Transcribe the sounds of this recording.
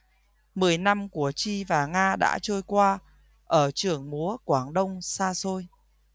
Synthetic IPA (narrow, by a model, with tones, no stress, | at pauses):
mɨ˨˩əjna˧mku˧˩ət͡ɕi˧vaː˨˩ŋaː˧ɗa̰ː˧˥t͡ɕəː˧jkwaː˧ | ʔəː˧˩t͡ɕɨ˨˩əŋmu˨˦əkwaː˧˩ŋɗə˧wŋ͡msaː˧so˧j